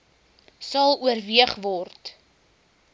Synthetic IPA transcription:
sɐlˠuərviəχvɔrt

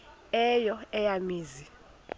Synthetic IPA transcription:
ɛjɔɛjamiːzi

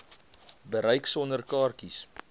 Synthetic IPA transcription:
bəɾɛjksɔnərkɑːrkis

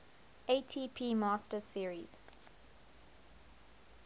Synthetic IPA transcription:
etʰiːpʰiːmɑːstəsiəɹḭz̥

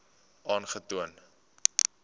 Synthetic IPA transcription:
ʔɑːnχətuən

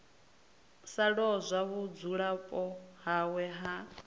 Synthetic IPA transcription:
saɺɔzʷaβud͡zuɺapʼɔɦawɛɦa

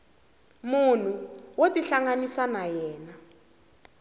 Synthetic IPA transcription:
mun̤uwotiɬaŋanisanajɛːna

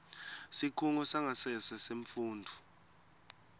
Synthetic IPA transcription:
sikʰuŋɔsaŋʱasɛsɛseɱfuːndʱu

